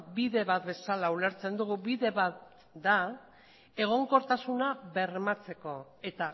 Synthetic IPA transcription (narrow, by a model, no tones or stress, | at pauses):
biðe̞βat̪be̞salaule̞ɾt͡se̞nd̪uɣuβiðe̞βat̪ | d̪a | e̞ɣ̞o̞ŋko̞ɾt̪asunaβe̞rmat͡se̞ko̞ | e̞t̪a